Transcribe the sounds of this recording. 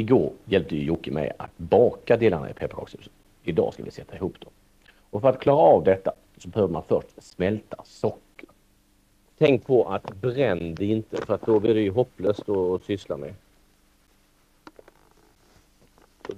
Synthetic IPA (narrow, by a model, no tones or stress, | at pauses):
ɪɡoːɾjɛlp̚t̪əjɵjʊkːəmɛ̰ja̰t̪bɑːkad̪eːlana̰ɪ̰pʰɛpːakʰɑ̰ːkshʉ̟ːsə̥n | ɪd̪ɑ̰ːska̰vɪ̰sɛt̪ʰːaɪhuːpd̪̥ɔm | ɔfœɾat̪kʰlɑːɾaːvd̪ɛt̪ːa | sɔbɛhøːvəmanfœʂʈsmɛlt̪ʰasɔkːə̥ɾ | t̪ʰɛŋk̚pʰɔʔat̪bɾɛnd̪ɛɪnt̪əfœɾat̪̚d̪ɔblɪdɛjɵɦɔpːløːst̪ɔsʏslamɛ̰